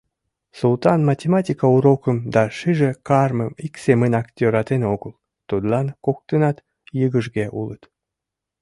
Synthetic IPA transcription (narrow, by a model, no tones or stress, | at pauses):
sult̪ɑnmɑtʲemɑtʲikɑuɾokəmd̪ɑʃiʒekɑrməmiksemənɑk̪ʲøɾɑt̪enoɣəl | t̪ud̪lɑnkok̚t̪ənɑt̪ | jəɣəʒɣeʔulət̪